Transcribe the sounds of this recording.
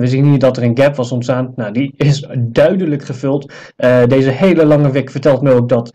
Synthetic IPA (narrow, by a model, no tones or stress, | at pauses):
ʋəziənidɔtəɹənɡɛpʋɑsɔntsaːntnawdiɪsdœɥdələkχəvɵlˠt | dejzəɦejləlɑŋəʋɛkfəɹtɛlˠtməowk̚dɔt